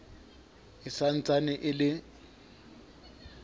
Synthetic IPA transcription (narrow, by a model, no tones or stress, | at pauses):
ɪsan̩t͡sʼanɪʔɪlɪ